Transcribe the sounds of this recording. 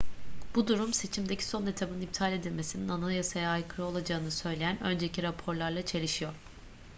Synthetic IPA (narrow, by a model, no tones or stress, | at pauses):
b̥ud̪uɾumse̞t͡ʃʰimd̪ecʰi̥so̞net̪ʰabɯnip̚t̪ʰaːlʲe̞d̪ilʲme̞sininanalˠjasajaajkʰɯɾo̞lˠad͡ʒaɯnɯsø̞jlʲejænø̞̰nd͡ʒe̞ciɾapʰo̞ɾlˠaɾlˠat͡ʃʰe̞lʲiʃijo̞ɾ̥